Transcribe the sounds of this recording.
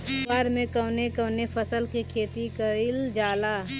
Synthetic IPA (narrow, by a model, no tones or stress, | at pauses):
aːɾmẽkəʊnekəʊnepʰəsəlkikʰeːt̪ikəɾɪld͡ʒaːlaː